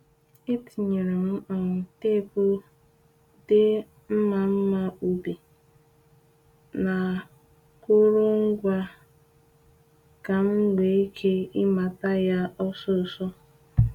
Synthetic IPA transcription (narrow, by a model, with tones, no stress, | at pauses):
ɪ˦ti˨ɲe˨ɾe˨m̩˦ʔɔ˨ŋ̩˨te˦˨po˦ | dɪ˦ | m̩˦ma˨m̩˦ma˨u˨be˨ | na˨ | kʊ˦ɾʊ˦ŋ̩˦ɡʷa˦ | ka˨m̩˦ɡe˨i˦kʰe˦ɪ˦ma˨ta˦ja˦ɔ˦sɔ˦˨sɔ˦